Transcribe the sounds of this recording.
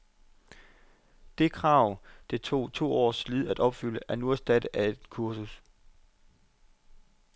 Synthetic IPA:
d̥e̝kʰʁɑ̈ʊ̰d̥e̝t͡sʰo̝̰ːt͡sʰo̝̰ːɒ̰ːsliðˠæd̥ɒ̽b̥fyl̰əʔæɐnuæsd̥æd̥əʔæe̝d̥kʰuɐsus

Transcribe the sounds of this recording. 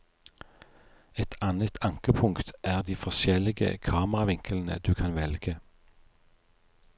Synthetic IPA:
ɛt̪ʰɑnət̪ʰɑŋkəpʰʊŋkt̪ʔæːʁd̪iːfɔʃɛlɪɡə̰kʰɑːməʁɑʋɪŋkəln̩ə̰d̪ʉːkʰɑnʋɛlɡə

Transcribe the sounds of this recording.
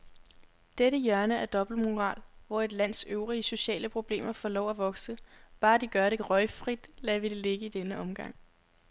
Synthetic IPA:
d̥eɾəjɶɐnəæɐd̥ɒ̽b̥l̩muʁɑ̰̈ːlʋɒe̝d̥læn̰søʊʁiəso̝ɕɛ̰ːləpʰʁo̝b̥le̝̰ːmɐfɒlɒʊ̰æʋɒ̽ɡ̥səb̥ɑ̈ːd̥iɡ̥ɶɐɾe̝ʁɒɪfʁid̥læʋid̥ele̝ɡ̥əid̥enəʔɒ̽mɡ̥ɑ̈ŋ̰

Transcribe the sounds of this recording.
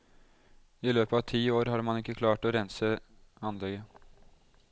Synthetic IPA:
ɪløːpəɑʋt̪ʰiːoːɾɦɑːɾmɑnɪkːəkʰlɑːʈɔɾɛnsəɑnlɛɡə

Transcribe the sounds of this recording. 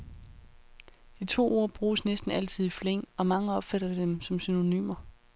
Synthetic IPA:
d̥it͡sʰo̝̰ːo̝ɐ̰b̥ʁuːsnesd̥n̩æl̰t͡sʰið̞̰ˠifleŋ̰ɒ̽mɑ̈ŋəɒ̽b̥fæɾ̥ɐd̥emsɒ̽msyno̝ny̰ːmɐ

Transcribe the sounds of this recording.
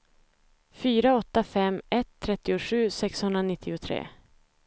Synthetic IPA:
fyːɾaɔt̪ːafɛmːɛt̪ʰːɾɛt̪ːɪʊʂʉ̟ːsɛkshɵnd̪ɾanɪt̪ʰːɪʊt̪ʰɾḛː

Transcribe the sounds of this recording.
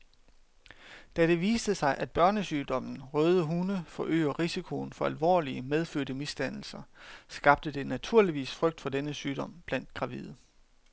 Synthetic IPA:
d̥æɾ̥e̝ʋiːsd̥əsɑ̈ɪʔæd̥̚b̥ɶɐnəsyːd̥ɒ̽m̰n̩ʁœːðˠəɦunəfɒ̽ʔø̰ːɐʁisikʰo̝n̩fɒ̽ælʋɒ̰ːliəmeð̞ˠføɐ̰ɾ̥əmisd̥æn̰l̩sɐsɡ̥ɑ̈b̥̚d̥əd̥e̝næt͡sʰuɐ̰liʋḭːsfʁœɡ̥̚d̥fɒ̽d̥enəsyːd̥ɒ̽m̰b̥læn̰d̥ɡ̥ʁɑ̈ʋiðˠ

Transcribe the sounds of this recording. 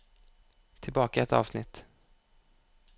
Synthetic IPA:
t̪ʰɪlbɑːkaɛt̪ɑ̰ːvsnɪt̪ː

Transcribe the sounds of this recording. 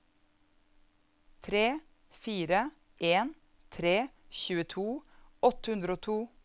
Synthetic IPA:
t̪ʰɾeː | fiːɾə | ʔeːn | t̪ʰɾeː | çʉːət̪ʰuːɔt̪əhʉnd̪ɾoːt̪ʰuː

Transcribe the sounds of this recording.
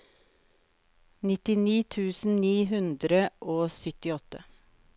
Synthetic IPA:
nɪt̪ɪniːt̪ʰʉːsn̩niːɦʉnd̪ɾəʔoːsʏt̪ɪɔt̪ə

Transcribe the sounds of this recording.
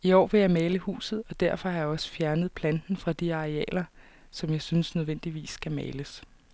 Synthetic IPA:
iɒ̰ːʋe̝jɑ̈ɪmɛːləhṵːsð̞̩ˠɒ̽d̥æɐfɒ̽hɑ̈jɑ̈ɒ̽sə̥fjæɐnəð̩ˠpʰlænd̥n̩fʁɑ̈d̥iɑ̈ʁeɛ̰ːlɐ | sɒ̽mjɑ̈ɪsynsnøð̞ˠʋen̰d̥iʋḭːsːɡ̥æmɛːləs

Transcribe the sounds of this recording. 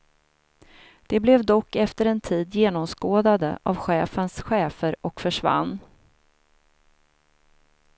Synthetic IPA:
d̪̥ɛblɛvd̪ɔkːɛft̪əɾɛnt̪ʰiːd̪jeːnɔmskoːd̪ad̪ə̰ʔavɧɛːfənsɧɛːfəɾɔkfœʂva̰nː

